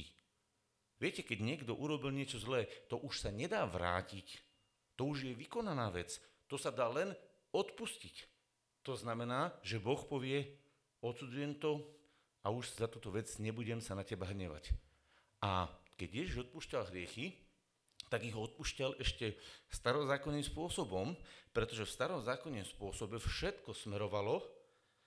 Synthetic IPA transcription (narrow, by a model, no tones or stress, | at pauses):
i | ʋɪɛcɛkɛɟɲɪɛɡd̪ɔʔuɾɔbilɲɪɛt͡ʃɔzlɛːt̪ɔʔuʃsaɲɛd̪aːʋɾa̰ːcic | t̪ɔuʒjɛʋikɔnanaːʋɛt͡st̪ɔsad̪aːlɛn | ɔt̪puscic | t̪ɔznamɛnaːʒɛbɔxpɔʋɪɛ | ɔt̪sud͡zujɛmt̪ɔ | auʒzat̪uːt̪ɔʋɛd͡zɲɛbuɟɛmsanacɛbaɦɾɲɛʋa̰c | a̰kɛɟjɛʒiʒɔt̪̚puscalɦɾɪɛxi | t̪aɡiɣɔɔt̪̚puʃcalʔɛʃcɛst̪aɾɔzaːkɔnːimspʊɔsɔbɔmpɾɛt̪ɔʒɛfst̪aɾɔmzaːkɔnːɔmspʊɔsɔbɛfʃɛt̪kɔsmɛɾɔʋalɔ